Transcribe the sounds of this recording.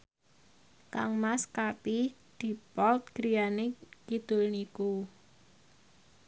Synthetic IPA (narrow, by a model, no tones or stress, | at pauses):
ka̰ŋmaskapid̪̥i̤pɔlt̪̚ɡ̥ɾijanekid̪̥ʊ̤lniku